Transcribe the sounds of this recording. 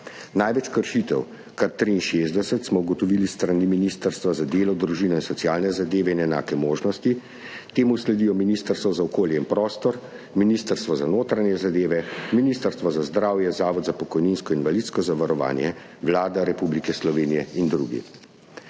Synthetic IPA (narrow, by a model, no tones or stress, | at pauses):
najʋɛt͡ʃkəɾʃit̪ɛ̰w | kaɾt̪ɾiːnʃeːzd̪ɛsət̪smɔuɡɔt̪ɔʋiːlist̪ɾaniminist̪əɾst̪ʋazad̪eːlɔd̪ɾuʒiːnɔinsɔtsijaːlnɛzad̪eːʋɛinɛna̰ːkɛmoːʒnɔst̪i | t̪eːmuslɛd̪ijɔminist̪əɾst̪ʋɔzaɔkoːljɛinpɾɔst̪ɔɾ | minist̪əɾst̪ʋɔzanoːt̪ɾanjɛzad̪eːʋɛminiːst̪əɾst̪ʋɔzazd̪ɾaːwjɛzaːʋɔd̪zapɔkɔjninskɔinʋalit̪skɔzaʋaɾɔʋa̰ːnjɛ̰ | ʋlaːd̪aɾɛpublikɛslɔʋeːnijɛind̪ɾṵːɡḭ